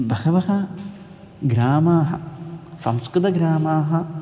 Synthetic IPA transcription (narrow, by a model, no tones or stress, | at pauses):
bɐxɐʋɐɦɐ | ɡɾaːmaːɦɐ̰sɐ̰mskɾɪd̪ɐɡɾaːmaːɦɐ̆